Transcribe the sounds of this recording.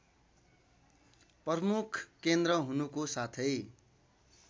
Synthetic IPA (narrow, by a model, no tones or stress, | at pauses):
pʌrmukʰkːend̪rʌɦunukosat̪ʰʌj